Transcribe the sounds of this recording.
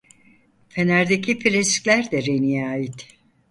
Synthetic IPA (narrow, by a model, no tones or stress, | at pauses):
fʰenæɾd̪ecʰipʰiɾescʲlʲæɾd̪ɛɾenijaːjit̪